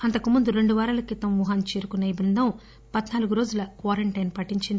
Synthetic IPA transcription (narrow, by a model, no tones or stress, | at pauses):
ɐnt̪ɐkumund̪uɾe̞ɳɖuʋaːɾɐlɐkit̪ɐmʋuɦaːnt͡ʃeːɾukunːɐibɾund̪ʱɐm | pɐd̪naːluɡuɾo̞ːd͡ʒulɐkʋaːɾɐɳʈɐjnpɐʈːiɲt͡ʃind̪i